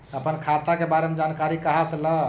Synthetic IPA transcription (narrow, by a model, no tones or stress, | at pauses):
əpənkʰat̪akebaɾemed͡ʒankaɾikəɦasələ